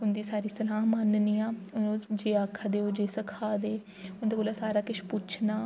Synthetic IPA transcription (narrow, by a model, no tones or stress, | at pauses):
ʊnd̪iːsaːɾiːsəlaːɦmaːnniːaːʊd͡ʒeːaːkʰaːd̪eːoːd͡ʒeːsəkʰaːd̪eː | ʊnd̪eːkoːlaːsaːɾaːkɪʃpʊt͡ʃʰnaː